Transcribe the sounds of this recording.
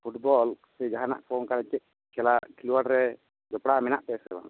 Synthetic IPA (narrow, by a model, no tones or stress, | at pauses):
pʰuʈbɔlsɛd͡ʒaɦana̰ʔpʰɔnkaɾɛt͡ʃɛʔ̚ | kʰɛlakʰiluwaɽɾɛ | d͡ʒɔpɽamɛnaʔp̪ɛsɛba̰ŋ